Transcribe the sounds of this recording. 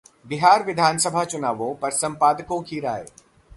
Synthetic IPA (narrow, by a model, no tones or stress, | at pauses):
bɪɦaːɾʋɪd̪ʱaːnsəbʱat͡ʃʊnaːʋõpɐɾsɐ̃mpaːd̪əkõkʰiːɾa̰ːḛː